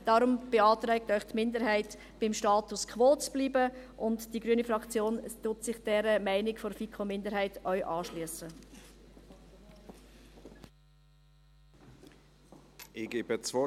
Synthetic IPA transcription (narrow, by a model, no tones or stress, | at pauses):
d̥ɑɾʊmb̥eɑːtɾɛk̚tœʏχtmɪndəɾɦæɪt | b̥ɪmʃtɑːtuskʰʋoːt͡sb̥liːbəʔʊntd̥iɡɾyənifɾɑkt͡sjoːntʊtsɪχd̥ɛɾəmæɪnɪkfɔɾfikʰomɪndəɾhæɪtœʏʔɑːʃlyəsə | ɪɡ̥eːbət͡svɔ